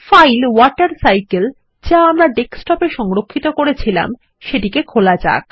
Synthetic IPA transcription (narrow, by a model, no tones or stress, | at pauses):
fajlwɔʈaɾsajkel | d͡ʑaamɾaɖeksʈɔpeʃɔŋɾokʰːit̪okoɾet͡ɕʰila̰m | ʃeʈikekʰolad͡ʑa̰k